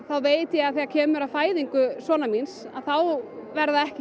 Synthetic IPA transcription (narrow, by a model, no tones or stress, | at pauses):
θawveːjt̪ɪjɛaðθiacʰɛːmʏɾaðfaːjðiŋkʏsvɔːnaminsa̰ðθawvɛɾðaɛhcɪ